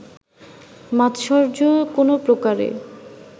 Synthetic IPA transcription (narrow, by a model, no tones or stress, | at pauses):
mat̪ʃɔɾd͡ʑokonopɾokaɾḛ